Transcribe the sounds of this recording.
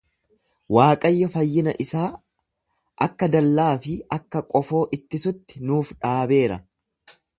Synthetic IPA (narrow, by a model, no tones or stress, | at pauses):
waːkʼɐjːɐfɐjːɪnɐʔɪsaː | ʔɐkːɐd̪ɐlːaːfɪɐkːɐkʼɔfo̞ːʔɪt̪ːɪsʊt̪ːɪ̥nuːfᶑaːbe̞ːɾɐ̰